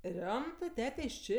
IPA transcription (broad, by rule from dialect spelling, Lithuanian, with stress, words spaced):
ˈrʲoːmtɜ ˈtʲæːtʲeː ɪʃ ˈt͡ʃʲeː